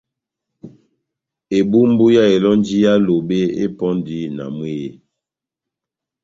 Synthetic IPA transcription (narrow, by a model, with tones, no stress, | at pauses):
e˨bu˦m˦bu˦ja˦e˨lɔ˦nd͡ʒi˦ja˦lo˨be˦ḛ˦pɔ˦ndi˦na̰˨mwe˦je˨